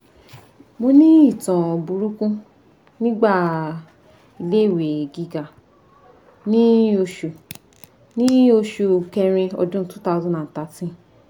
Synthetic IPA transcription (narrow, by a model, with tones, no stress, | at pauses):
mo˧nĩ˦i˦˨tã˨bu˨ɾu˦kũ˦ | nĩ˦ɡ͡ba˦˨ | i˧le˦˨we˨ɡi˧ɡa˨ | nĩ˦o˧ʃu˨ | nĩ˦o˧ʃu˨kɛ˧ɾ̃ĩ˧ɔ̰˧dũ˦tu˦ta˧zɔ̃˧˦ã˨ta˨˦tĩ˦